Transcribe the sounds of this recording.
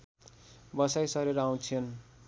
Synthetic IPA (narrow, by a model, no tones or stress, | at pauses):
bʌsajsʌɾeɾʌaw̃t͡sʰʌn